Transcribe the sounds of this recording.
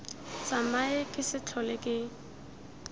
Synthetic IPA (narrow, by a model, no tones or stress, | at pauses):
samaɪkʼɪsɪt͡ɬʰɔlɛkʼɪ